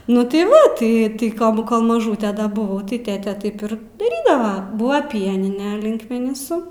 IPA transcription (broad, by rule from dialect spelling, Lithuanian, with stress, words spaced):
nʊ tɐɪ ˈʋɐ tɐɪ tɐɪ ˈkoːlˠ bʊ koːlˠ mɐˈʒuːtʲɛ dɐ bʊˈʋɐʊ tɐɪ ˈtʲeːtʲeː ˈtɐɪp ɪr dɐˈrʲiːdɐʋɐ ˈbuːʋɐ ˈpʲiɛnʲɪnʲɛ lʲɪŋkmʲɛnʲɪˈsʊ